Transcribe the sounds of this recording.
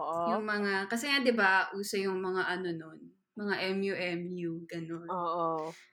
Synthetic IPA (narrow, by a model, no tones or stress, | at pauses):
ʔoʔojʊŋmɐŋakɐsɛŋad̪ɪbaʔuːsɐjʊŋmɐŋaʔɐno̞non | mɐŋaʔɛmjuʔɛmjuɡɐnonoːʔo